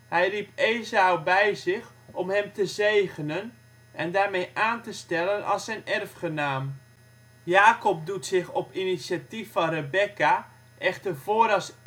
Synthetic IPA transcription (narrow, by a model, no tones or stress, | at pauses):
hɛjripeːzawbɛjzɪx | ɔmɦɛmtəzejɣənən | ʔɛndaːrmejʔaːntəstɛlənʔɑ̰lˠsɛjnɛrfχənaːm | jaːkɔp̚dutsɪxɔpinisjatifɑnrəbɛka | ʔɛxtərv̥oəɾɑs